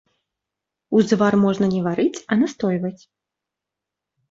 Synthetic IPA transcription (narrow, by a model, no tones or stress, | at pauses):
uzdvarmɔʐnɐnʲɛvaɾɨt͡sʲɐnast̪ɔjvɐt͡sʲ